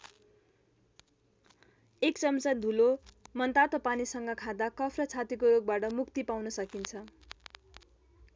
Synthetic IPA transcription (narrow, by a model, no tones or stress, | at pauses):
ekt͡sʌmt͡sʌd̪ʱulomʌnt̪at̪ʌpanisʌŋɡʌkʰãd̪akʌpʰrʌt͡sʰat̪ikoɾoɡ̚baʈʌmukt̪ipawnʌsʌkint͡sʰʌ